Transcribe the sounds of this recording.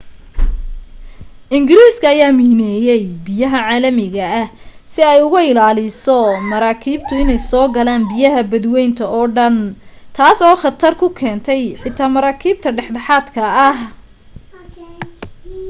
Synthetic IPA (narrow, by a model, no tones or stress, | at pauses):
ʔɪŋɡɪɾiːskʰɐːjaːmiːnɛːjɛjbɪjɐɦɐʕaːlɐmɪɣɐɐhsɪɛjʊɣɐɪlaːlɪsɔmɐɾaːkʰiːb̚t̪ʰʊɪnɛjsɔːɡɐlaːnbɪjɐɦɐbɐd̪wɛjnt̪ʰɐʔɔːɖɐnt̪ʰaːsɔːχɑt̪ʰɐrkʰʊkʰɛːnt̪ʰɛjħɪt̪ʰaːmɐɾaːkʰiːb̚t̪ʰɐɖɛħɖɐħaːd̪kʰɐːh